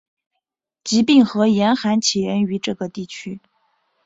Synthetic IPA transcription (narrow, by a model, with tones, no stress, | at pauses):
t͡ɕi˧˥pi˥˩ŋxɤ˧˥jɛ˧˥nxa˧˥nt͡ɕʰi˨˩ɥɛ˧˥ny˧˥ʈ͡ʂɤ˥˩ɡə˩t̪i˥˩t͡ɕʰy˥